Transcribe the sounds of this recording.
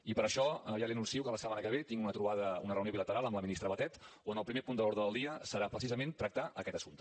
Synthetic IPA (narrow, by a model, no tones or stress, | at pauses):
ipəɾəʃɔʒaliənunsiukələsəmanəkəβ̞et̪iŋɡunət̪ɾuβaðəṵnərəuwnioβilət̪əɾalˠəmləminist̪ɾəβət̪ɛt̪onəlˠpɾimepund̪əloɾðɾəðəlˠd̪iəsəɾapɾəsizəment̪ɾək̚t̪aʔəkɛt̪əsunt̪